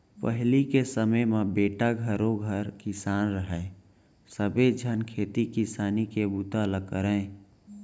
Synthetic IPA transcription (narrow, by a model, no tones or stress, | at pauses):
pəɦlikesəməjmẽbeːʈaɡʱəɾoɡʱəɾkɪsaːnɾəɦɛ | səbed͡ʒʱənkʰeːt̪ikisaːnikebut̪aləkəɾə̃